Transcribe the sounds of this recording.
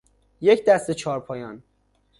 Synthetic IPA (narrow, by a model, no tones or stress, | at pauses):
jecʰd̪æst̪et͡ʃʰɒːɾpʰɒːjɒːn